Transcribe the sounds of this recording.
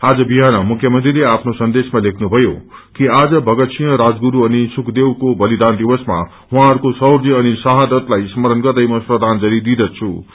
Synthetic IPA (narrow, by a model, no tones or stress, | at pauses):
ad͡zʌbiɦanʌmukʰjʌmʌnt̪rileapʰnosʌnd̪esmalekʰnubʱʌjo̰kiad͡zʌbʱʌɡʌt̪sʰijʌɾad͡zɡuɾuʌnisukʰd̪ewkobʌlid̪and̪iwʌsma̰ | ɦũɦãʌɾkosʌwɾd͡ziʌnisaɦad̪ʌt̪lajsmʌɾʌnɡʌrd̪ʌjmʌsprʌd̪ʱand͡zʌɾid̪id̪ʌt͡sʰṵ